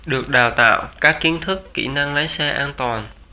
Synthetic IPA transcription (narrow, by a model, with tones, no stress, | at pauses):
ɗɨ˨˩ək̚ɗaː˨˩wt̪a̰ː˧˨wkaː˦˥kːi˨˦ənt̪ʰɨ˦˥kːḭ˧˩na˧ŋlə˨˦jsɛ˧ʔaː˧nt̪waː˨˩n